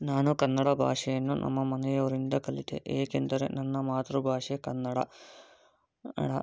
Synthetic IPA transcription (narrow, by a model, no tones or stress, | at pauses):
naːnukɐnːɐɽɐbʱa̰ːʂɐjenːunʔɐ̰mːɐmɐnɐjɐɾind̪ɐkɐlːit̪ːḛʔeːkːend̪ɐɾḛnɐnːɐmaːt̪rubʱaːʂekɐnːɐɽɐ | ɽɐ